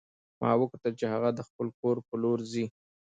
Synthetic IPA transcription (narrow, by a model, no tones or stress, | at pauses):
mʔɑ̰wəkt̪at͡ʃehaɣad̪əxpəlkoɾpəloɾzi